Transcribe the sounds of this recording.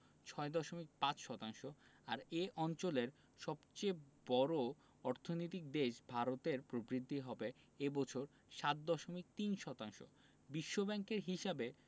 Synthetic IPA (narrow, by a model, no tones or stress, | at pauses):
t͡ɕʰɔed̪ɔʃomik̚pãt͡ɕʃɔt̪aŋʃoaɾeʔɔnt͡ɕoleɾ | ʃɔbt͡ɕebɔɾo | ɔɾt̪ʰonojt̪ik̚d̪eʃbʱaɾot̪eɾpɾobɾid̪ʱːiɦɔbe | ebɔt͡ɕʰoɾ | ʃat̪̚d̪ɔʃomik̚t̪inʃɔt̪aŋʃo̰ | biʃːobɛŋkeɾɦiʃabe